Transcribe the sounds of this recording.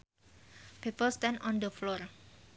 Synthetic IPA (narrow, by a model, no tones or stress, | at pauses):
pipəlst̪ɛ̃ndɔ̃nd̪əflɔr